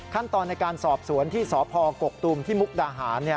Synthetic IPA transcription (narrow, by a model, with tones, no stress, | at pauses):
kʰa˥˩nt̪ɔː˧nːa˧jkaː˧nsɔː˨˩p̚su˩˦ənt̪ʰiː˥˩sɔː˩˦pʰɔː˧ko˨˩k̚t̪uː˧mt̪ʰiː˥˩mu˦˥k̚daː˧ɦaː˩˦nːi˥˩ɐ